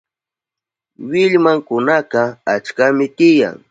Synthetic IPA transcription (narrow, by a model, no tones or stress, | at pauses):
wɪʎmaŋkʊnaqɑat͡ʃkamɪt̪ɪja̰ŋ